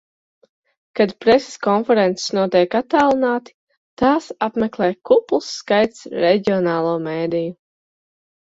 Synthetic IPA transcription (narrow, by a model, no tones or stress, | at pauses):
kad̪pɾɛse̥skɔnfɛɾɛnt̪ssnuɔt̪ɛjkat̪ːaːlˠinaːt̪i̥ | t̪aːsapmɛklˠɛːjkuplˠsːkajt̪sɾɛɟiɔnaːlˠuːmeːd̪iju